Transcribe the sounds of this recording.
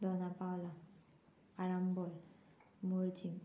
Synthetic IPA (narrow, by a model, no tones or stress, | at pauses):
d̪ɔnapaola | aɾambɔl | muɾd͡ʑim